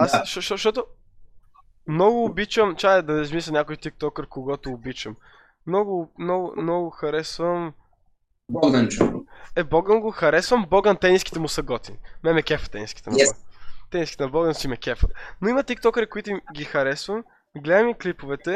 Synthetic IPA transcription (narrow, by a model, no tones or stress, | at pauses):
asʃɔʃtʃt̪ɔt̪o | mnɔɡʊːbit͡ʃəmt͡ʃaɛd̪ɐnɛzmisɐnʲakʊjt̪ik̚t̪ɔkəɾkoɡɔt̪oːbit͡ʃəm | mnɔɡʊmnɔɡʊ̰mnɔɡʊxɐɾɛsvɐm | bɔɡnɐmt͡ʃoɛbɔɡəmɡoxɐɾɛsvəmbɔɡənt̪ɛniskʲi̥t̪ɛmʊsɐɡɔt̪imɛmɛkʲɛfə̥t̪ɛniskʲi̥t̪ɛm | t̪ɛniskʲit̪ɛnɐbɔɡənsimɛkʲɛfət̪noimɐt̪ik̚t̪ɔkəɾikoit̪ʊimɡʲixɐɾɛsvəm | ɡlɛd̪əmiklipʊvɛt̪ɛ